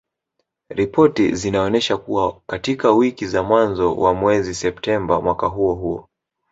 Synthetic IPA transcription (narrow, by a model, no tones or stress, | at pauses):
ɾipʰɔtḭzinaɔnɛʃakuwakatikawikizamwanzɔwamwɛzisɛptɛmbamwakaɦuɔɦuɔ̰